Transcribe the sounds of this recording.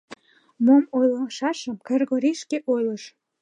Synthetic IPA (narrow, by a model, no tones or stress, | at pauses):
momojləʃɑʃəmkerɣoɾiʃkeʔojləʃ